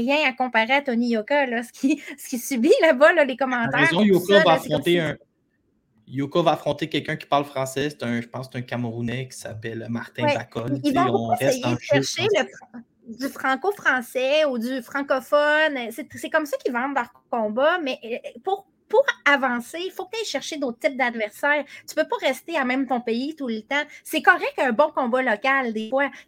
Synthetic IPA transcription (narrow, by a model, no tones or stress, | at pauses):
ʁjɛ̃akɔ̃paʁeat̪ɔnijokalʌsə̥kʲʰisə̥kʲisybilabʌlʌlekɔmɑ̃tt̪ɛɛzɔ̃jokavaafsʁɔ̃t̪eœ̃ | jokavaːfχɔ̃t̪ekʲɛlkœ̃kʲi̥paʁlfχɑ̃sɛse̥t̪œ̃ʒəpɑ̃se̥t̪ɛ̃kʲamʁunɛkʲi̥sa̰pɛlmaʁt̪ɛ̃ɛakkɔlivɔ̃b̃uaʁɛɛeʃɛʃeləfɑ̃ | d̪yfχɑ̃kofχɑ̃sɛud̪yfχɑ̃kɔfɔnset̪sɛkɔmsakʲivɑ̃t̪lœʁ | kɔ̃bamɛʔpuʁ | puʁavɑ̃sefok̚t̪ɛjʃɛʁʃed̪ot̪χ̚t̪ɪp̚d̪ad̪vɛʁsɛːʁt̪y̥pøpɔʁɛst̪eamɛ̃mt̪ɔ̃peit̪ulət̪ãsɛkɔʁɛk̚t̪ɛ̃bɔ̃kɔ̃balɔkald̪efwa